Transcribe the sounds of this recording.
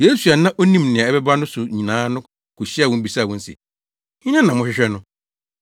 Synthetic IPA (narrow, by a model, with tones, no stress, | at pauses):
je˦su˨a˨nã˦ʔo˦nĩ˦mnɪ̃˨ã˨ɛ˦bɛ˦ba˦nʊ̃˦sʊ˨ɲĩ˨nãː˦nʊ̃˦ | kʰʊ˨ɕi˦a˦˨wɔ̃˦m̩˦bi˨saː˦˨wɔ̃˦n̩˦sɪ̰˨ | ɲɪ̃˦nã˦nã˨mʊ̃˦˨ɪ˦ɕᶣɛ˦nʊ̃˦